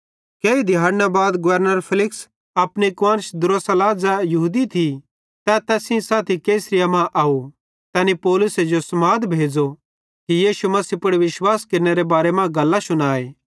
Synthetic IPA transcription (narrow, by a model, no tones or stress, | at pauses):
keːid̪ʱɪjaːɾnabaːd̪ɡʊʋəɾnəɾpʰɪlɪks | ɐpnikwãːnsd̪ʊɾosɐlaːd͡zajɐɦuːd̪it̪ʰi | t̪ɛt̪ɛːsĩsaːt̪ʰikeːsɾɪjamãʔaːu | t̪ɛːnipɔːlʊsed͡ʒosɐmaːd̪bʱeːd͡ʒo | kijiːʃumɐsipʊɽʋɪʃwaːskɐɾneɾebaːɾemãɡɐlːasʊnaːeː